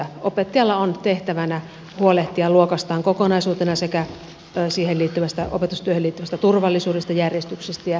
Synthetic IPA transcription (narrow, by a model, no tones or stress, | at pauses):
opet̪ːijɑlːɑont̪eht̪æʋænæ | huoleht̪iɑluokɑst̪ɑːŋkokonɑisuːt̪enɑsekæ | siːhelliːt̪ːyʋæst̪æʔo̰pet̪ust̪yøheliːt̪ːyʋæst̪æt̪urʋɑlːisuːdest̪ɑjærjest̪yksest̪æjɑ